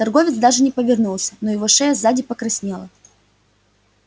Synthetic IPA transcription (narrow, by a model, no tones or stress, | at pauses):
t̪ɐrɡo̞vʲɪt̪sd̪aʐɨnʲɪpəvʲɪrnulˠsʲə̥nojɪvoʂɛjəzadʲɪpəkɾɐsʲnʲelˠə